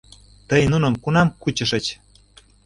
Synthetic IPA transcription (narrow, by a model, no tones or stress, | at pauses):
t̪əjnunəmkunɑmkut͡ɕə̆ʃə̆t͡ɕ